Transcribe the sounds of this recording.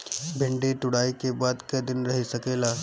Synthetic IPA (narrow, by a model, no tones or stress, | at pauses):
bʱɪ̃ɳɖeʈ̪ʊɽaːikebaːd̪kɐd̪ɪnɾɐɦisɐkeːlaː